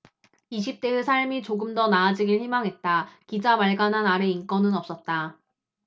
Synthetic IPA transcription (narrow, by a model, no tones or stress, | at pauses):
iɕʰip̚t͈e̞esʰaɭmit͡ɕoɡɯmdʌnaːd͡ʑiɡiɭçimaŋɦe̞t̚t͈akid͡ʑamaɭɡanɦanaɾe̞ink͈ʌnɯnʌp̚s͈ʌt̚t͈a